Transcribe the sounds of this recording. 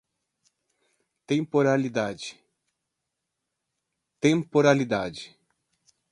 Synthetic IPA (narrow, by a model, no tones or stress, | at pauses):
t̪ẽmpoɾalid̪ad͡ʒɪ | t̪ẽmpoɾalid̪ad͡ʒɪ